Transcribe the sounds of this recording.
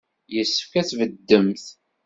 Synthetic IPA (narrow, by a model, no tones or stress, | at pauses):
jəsːəfkæθvəd̪ːəmθ